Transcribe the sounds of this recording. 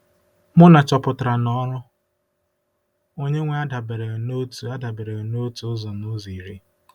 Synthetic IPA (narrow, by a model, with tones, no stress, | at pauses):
mʊ˦na˨t͡ʃɔ˨pʊ˨tɾa˨nɔ˦ɾʊ˦ | o˦ɲe˦ŋʷe˦a˦da˨be˨ɾe˨ɣno˦tu˨a˦da˨be˨ɾe˨ɣe˨no˦tu˦zɔ˨nu˦zi˨ɾi˦